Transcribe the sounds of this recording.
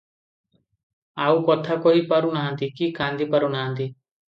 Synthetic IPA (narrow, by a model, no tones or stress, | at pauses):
aːukɔt̪ʰakoipəɾũnaɦə̃nt̪iːkiːkãːnd̪ʱiːpəɾũːnaɦə̃nd̪iː